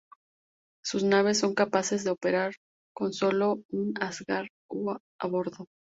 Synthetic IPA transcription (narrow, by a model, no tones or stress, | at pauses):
susnaβ̞e̞sːo̞ŋkapase̞zðeope̞ɾaɾ | ko̞nso̞lo̞unazɣaɾ | u | aβo̞ɾðo̞